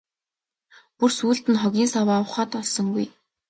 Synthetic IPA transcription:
pursuːɮt̪ɘ̆nχɔɣʲiːnsawaːwə̆χaːt̪ɔɮsɞ̆ŋɡuj

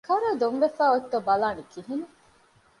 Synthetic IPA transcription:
kɐɾɐːd̪oŋʋefæːot̪ːobɐlaːnikiɦine

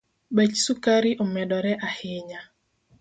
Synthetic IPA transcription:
bɛt͡ʃsukaɾiʔɔmɛdɔɾɛʔahɪɲa

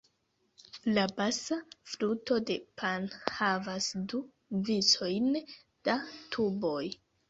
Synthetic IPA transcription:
labasafluto̞de̞pʰanhavasdu | viso̞jn | d̥atʰubo̞j

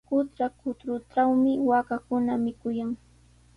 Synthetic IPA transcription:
kʊt̪ɾakʊt̪ɾʊʈ͡ʂawmɪwakakʊnamɪkʊjaŋ

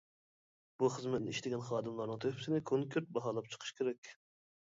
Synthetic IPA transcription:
b̥uχəzmɛt̪̚nɪ̰iʃt̪ɪɡʲɛnχɑːd̪ɨmlˠɑɾnɨŋt̪ʰøhpɪ̥sɪnɪkʰoŋkʲʰyɾt̪̚bɑɦɑːlˠɑpt͡ʃʰə̥qʰə̥ʃkʲʰeɾɛkʲ

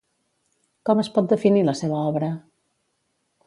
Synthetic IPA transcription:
kɔməspɔt̪̚d̪əfiniləseβəɔβɾə

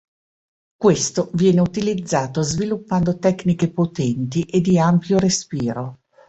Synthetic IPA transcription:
kwest̪ovjɛːneut̪ilid̪zːaːt̪ozvilupːand̪ot̪ɛkːnikepot̪ɛnt̪iʔed̪ːiampjoɾespiːɾo

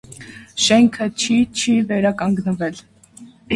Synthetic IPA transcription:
ʃɛŋkʰət͡ʃʰit͡ʃʰivɛɾɑkɑŋɡnəvɛl

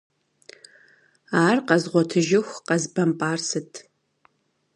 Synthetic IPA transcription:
aːrqɐzʁʷɔtʰɨʒɪxʷqɐzbɐmpʼaːrsɨtʰ

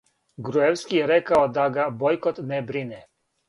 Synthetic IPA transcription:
ɡɾuewskijeɾɛkaod̪aɡabojkot̪nɛbɾinɛ

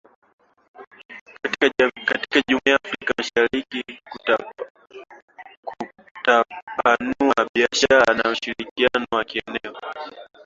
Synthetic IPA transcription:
kati̥kaʄumiafɾaikamaʃaɾiki | k | tapanuaɓiaʃaɾanauʃiɾikianɔwakiɛnɛɔ

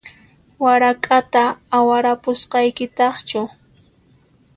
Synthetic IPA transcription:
waɾakʼat̪aːwaɾapʊsqɑjkɪt̪ɑχt͡ʃʊ

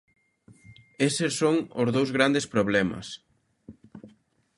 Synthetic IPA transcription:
esesːoŋʊzðowzɣɾand̪espɾoβlɛmɐ̰s

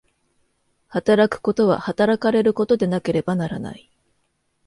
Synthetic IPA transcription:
hat̪aɾakɯ̟̥ko̞t̪o̞βa̰hat̪aɾakaɾe̞ɾɯ̟ko̞t̪o̞d̪e̞nake̞ɾe̞banaɾa̰na̰i

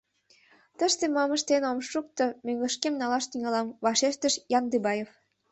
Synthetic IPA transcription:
t̪ə̆ʃt̪emɑmə̆ʃt̪enomʃuk̚t̪ɤ̆møŋlɘ̆ʃkemnɑlɑʃt̪iŋɑlɑmβɑʃeʃt̪ə̆ʃjɑnd̪ibɑjef

